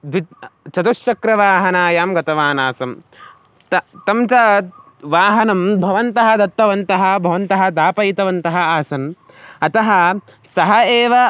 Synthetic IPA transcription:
d̪ʋit͡ʃɐt̪uʃt͡ʃɐkɾɐʋaːɦɐnaːjaːmɡɐt̪ɐʋaːnaːsɐm | t̪ɐt̪ɐmt͡ʃɐ | ʋaːɦɐnɐmbʱɐʋɐnt̪ɐɦɐd̪ɐt̪ːɐʋɐnt̪ɐɦɐ̆bʱɐʋɐnt̪ɐɦɐd̪aːpɐjit̪ɐʋɐnt̪ɐɦɐaːsɐn | ɐt̪ɐɦɐ | sɐɦɐeːʋɐ

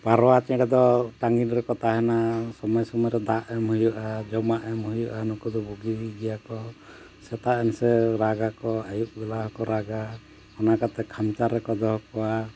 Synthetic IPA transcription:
paɾɔwat͡ʃɛ̃ɽɛd̪ɔʈaŋɡinɾɛkɔt̪aɦɛnasɔmɔjɔsɔmɔjɔɾɛd̪aʔɛmɦujɔʔad͡ʒɔmaʔɛmhujɔʔanɔkud̪ɔbuɡiɡɛjakɔ | sɛt̪aɛnsɛɾaɡakɔajuʔ̚bɛlaɦɔkɔɾaɡa | ɔnakat̪ɛkʰamt͡ʃaɾɛkɔd̪ɔɦɔkɔwa

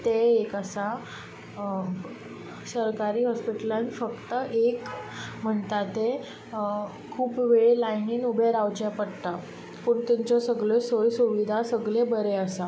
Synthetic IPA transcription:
t̪eːkəsa | səɾkaɾiːɦɔspiʈəlãnfəkt̪əʔekm̤əɳt̪at̪e | kʰuːpʋeɭelajniːnubʱeɾawt͡ɕepəɽt̪a | puɳt̪umt͡ɕɔsəɡɭesojsuʋid̪ʱasəɡlebəɾeəsa

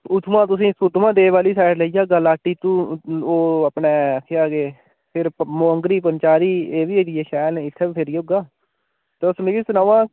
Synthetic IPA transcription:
ʊt̪ʰmãːt̪ʊsĩːsʊt̪ʰmãːd̪eːʋaːliːsaːɪʈləiːd͡ʒaːɡaːlaːʈːiːt̪ũːoːəpɳeːkʰeaːɡeː | pʰɪɾmoːəŋɡɾiːp̬ənt͡ʃaːɾiːeːʋiːediːeːʃɛːlnẽːɪt̪ʰːeːbpʰɪɾiːoːɡaː | t̪eːʊsmeɡiːsənãːʋãː

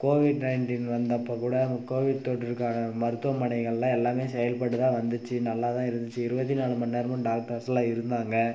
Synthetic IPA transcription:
koːʋɪɖnɐɪɳʈiːnʋɐnd̪ɐpːɐkuːɽɐkoːʋɪɖ̚t̪oːʈːɪɾɯkːaːnɐmɐɾɯt̪ːɯʋɐmːɐɳɐɪɣɐɭlãːɛlːaːmeːsɛjɐlpɐɽːɯt̪ãːʋɐnd̪ɯt͡ʃːɯnɐlːaːt̪ãːɪɾɯnd̪ɯt͡ʃːɯɪɾɯbɐt̪̬ːinaːɭɯmɐnːeːɾɐmʊ̃ɖaːk̚ʈɐɾsɐlãːɪɾɯnd̪aːŋɡɐ

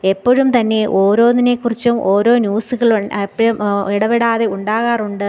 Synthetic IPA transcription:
e̞pːoːɻumt̪ɐnːe̞ʔo̞ːɾo̞ːnːinekːurit͡ɕːumo̞ːɾo̞ːnjuːsɨɣɐɭpːɐɻumiɽɐʋiɽaːðe̞uɳɖaːɣaːruɳɖɨ

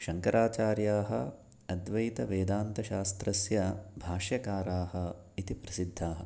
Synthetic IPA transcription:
ʃɐŋkɐɾaːt͡ʃaːɾjaːɦɐ | ɐd̪ʋɐjt̪ɐʋeːd̪aːnt̪ɐʃaːst̪ɾɐsjɐbʱaːʃjɐkaːɾaːɦɐ̆ | it̪ipɾɐsid̪ʱːaːɦɐ̰̆

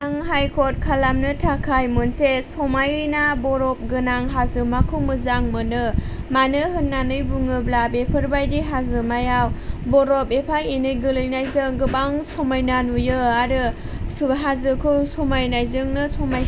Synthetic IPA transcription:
aŋɦajkʰɔt̚kʰalamnɯtʰakʰajmonsesɔmajɯjnabɔɾɔp̚ɡɯnaŋɦazɯmakʰɯwmɯzaŋmɯnɯ | manɯɦɯnːanɯjbuŋɯblabepʰɯɾbajdiɦazɯmajawbɔɾɔpepʰajenɯjɡɯlɯjnajzɯŋɡɯbaŋsɔmajnanujɯaɾɯ | ɦazɯkʰɯwsɔmajnajzɯŋnɯsɔmaj

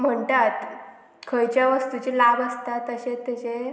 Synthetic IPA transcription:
m̤əɳtat̪ | kʰəjt͡ɕjaʋəst̪ut͡ɕelabəst̪at̪əɕet̪at͡ɕe

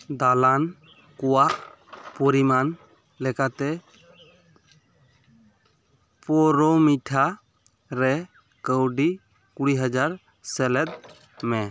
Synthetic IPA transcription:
d̪alan | kɔwaʔ | pɔɾiman | lɛkat̪ɛ | pɔɾɔmiʈʰa | ɾɛ | kəwɖi | kuɽiɦəd͡ʒaɾ | sɛlɛt̪̚ˀ | mɛ

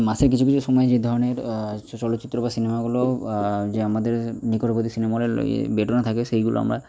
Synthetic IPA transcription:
maseɾkit͡ɕʰukit͡ɕʰuʃɔmɔjed͡ʑed̪ʱɔɾoneɾt͡ʃɔlot̪ːit̪ːɾobasinemaɡulod͡ʑeamad̪eɾnikoʈobod̪isinemaɦleo̰ḛbeʈonat̪ʰakesejɡulo̰a̰mɾa̰

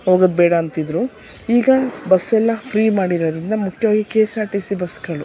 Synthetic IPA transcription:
ɦo̞ːɡɐd̪bɛːɽɐːnt̪id̪ɾu | iːɡɐbɐsːɛlːɐpʰɾiːmaːɽiɾɐd̪ɾind̪ɐmukʰjɐʋaːɡikeːsaːʈisibɐsɡɐɭu

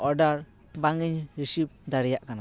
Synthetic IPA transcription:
ɔɖaɾ | baŋiɲɾisip̚d̪aɽɛjaʔkana

